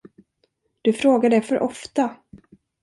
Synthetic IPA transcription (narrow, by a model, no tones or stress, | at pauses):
d̪̥ɵfɾoːɡaɖɛfœɾʔɔft̪a